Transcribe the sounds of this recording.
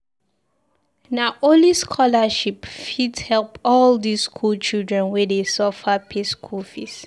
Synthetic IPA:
naʔoliskʰɔlaʃipfidhɛlpɔldiskʰult͡ʃʰildɹɛ̃nwɛdesɔfapʰeskʰufis

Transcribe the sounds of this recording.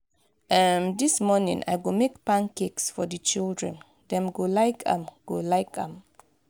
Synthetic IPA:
ʔɛmdismɔnḭ̃ŋʔa̰jɡomekpãnkeksfɔdət͡ʃildɹɛ̰̃n | dɛ̃mɡolaɪkã̰mɡ̥olaɪkã̰m

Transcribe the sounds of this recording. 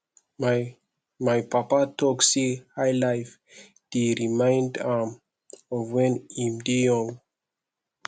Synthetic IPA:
m | majpapatʰɔksihajlajf | d̥iɹimãjndãm | ɔvwɛ̃nimdijɔ̃ŋ

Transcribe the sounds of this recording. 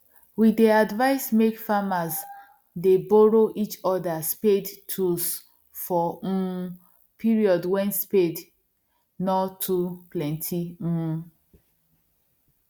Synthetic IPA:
wideadvaɪsmekfamaz | debɔɹoʔit͡ʃɔdaspedtʰus | fɔ | pʰiɹiɔdwɛ̃nsped | nɔtʰuplɛ̃ntʰi

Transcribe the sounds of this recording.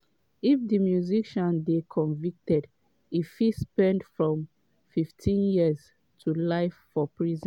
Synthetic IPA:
ifdimjuziʃɔ̃ndekʰɔ̃nvik̚tɛd | ifispɛ̃ndfɹɔ̃m | fiftʰĩnjiz | tʰulaɪfːɔpʰɹizɛ̃n

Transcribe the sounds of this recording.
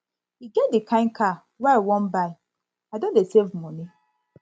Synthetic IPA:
hiɡɛt̚dikʰãɪ̃nkʰa | wawɔ̃nbaɪ | aɪdõndesevmɔni

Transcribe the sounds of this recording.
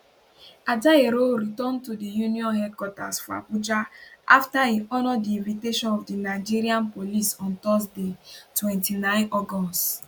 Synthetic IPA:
adaeɾoɾitɔ̃ntudijuniɔ̃nɦɛd̚kwɔta̰sfɔa̰pud͡ʒaʔaftaiʔɔnɔdiĩnviteʃɔ̃nɔvdinaɪd͡ʒiɾiãnpolisɔ̃ntɔsdetwɛ̃ntinãɪ̃nɔɡɔst

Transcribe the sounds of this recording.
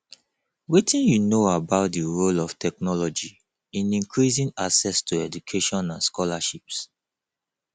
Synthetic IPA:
witĩnjunoabaʊt̚diɹolɔftʰɛk̚nɔlɔd͡ʒi | ĩnĩŋkʰɹizĩna̰sɛstʰuɛd͡ʒukʰeʃɔ̃nãnskɔlaʃips

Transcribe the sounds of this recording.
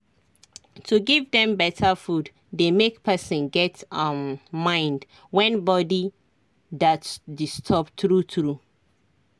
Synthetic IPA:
tʰuɡivdɛ̃mbɛtʰəfud | demekpʰɛsɔ̃nɡɛtamːãɪ̃nd | wɛ̃nbɔdi | datsdistʰɔbtɹutɹu

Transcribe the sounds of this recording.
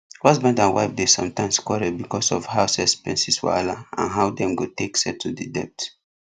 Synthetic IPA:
wasmɛ̃ndãnwa̰ɪfdesɔ̰̃mtãɪ̃mskwɔɾɛbikɔsɔ̰fhaʊsɛspɛ̃nsiswɔ̰alaã̰nɦaʊdɛ̃mɡoteksɛtʰːudidɛ̰p̚t

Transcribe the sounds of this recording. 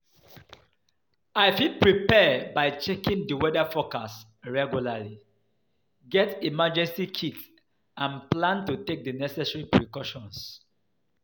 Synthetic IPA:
aɪfipɹipɛbaɪt͡ʃɛkĩŋdəwɛdafɔkas | ɹɛɡjulali | ɡɛtemad͡ʒɛ̃nsikʰit | ãnplãntutek̚dənɛsɛsɹipɹikɔʃɔ̃ns

